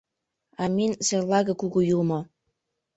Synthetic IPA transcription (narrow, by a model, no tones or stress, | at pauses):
ɑminselɑɣɤ̆kuɣujulmo